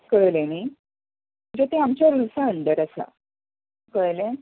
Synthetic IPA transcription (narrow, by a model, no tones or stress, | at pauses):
kəɭleni | əd͡ʑet̪eamt͡ɕjaɾulsaəɳɖəɾəsa̰ | kəɭlẽ